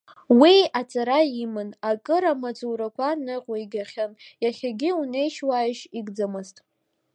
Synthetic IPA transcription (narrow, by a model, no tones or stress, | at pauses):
wiat͡sʼaɾaimɨnakʼɨɾamat͡sʼuːɾakʷʰanɨqʲʼajɡʲaχʲanjaχʲaɡʲɪune̞jʃwajʃiɡd͡zɨmɨztʼ